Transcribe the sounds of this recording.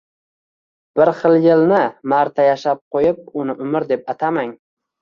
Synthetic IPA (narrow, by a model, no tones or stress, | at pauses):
b̥ɪɾχɨlˠjɪlnɪmaɾt̪ʰajaʃap̚qʰojɪp̚ʊnɪʔʊmɪɾd̪e̞p̚at̪ʰamaŋ